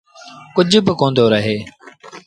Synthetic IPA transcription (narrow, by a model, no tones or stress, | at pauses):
kʊd͡ʒʱbɪkõːnd̪oːɾəɦeː